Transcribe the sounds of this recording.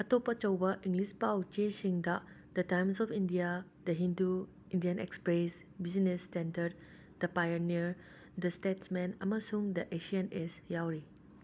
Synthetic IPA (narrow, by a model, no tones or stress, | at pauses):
ətopət͡ʃəwbaʔĩŋɡlispawt͡ʃẽʃĩŋdaʔ | d̥ətãjmsɔfĩndia | dəɦĩndu | ĩndiə̃nɛ̰kspes | bisinɛstɛ̃ndəd̚ | d̪əpajəniɹ | d̪əstetsmɛ̃na̰masũŋdəʔeʃiənɛsjawɾi